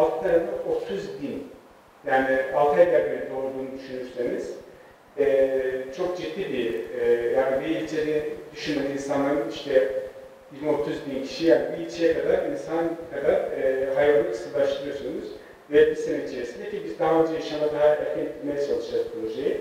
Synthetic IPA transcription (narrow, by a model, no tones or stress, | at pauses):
alˠt̪ʰɯnaɾd̪aʔot̪ʰuzd̪in | jaːnialˠt̪ʰajlʲæɾbeɾʲɛd̪o̞ɾud̪uːnud̪yʃynyɾseniz̥ | ɛːt͡ʃʰo̞k̚d͡ʒit̪ːiːbijaːnibiilʲt͡ʃʰeɾid̪̥yʃynmeniinsanlːˠaɾɯniʃt̪ʰɛ | bid̪ino̞t̪ʰuzd̪incʰi̥ʃijaːnibiilʲt͡ʃʰejɛkad̪aɾinsankʰad̪aɾːɦajvanːɯkʰɯsɯllˠaʃt̪ɯɾɯjo̞sunuz̥ | vɛbisenit͡ʃʰijesind̪ecibizd̪aɦaø̞nd͡ʒɛjaʃamad̪aɦaɛɾcʰɛniilʲmejɛt͡ʃʰalˠɯʃd͡ʒazpɾoʒeji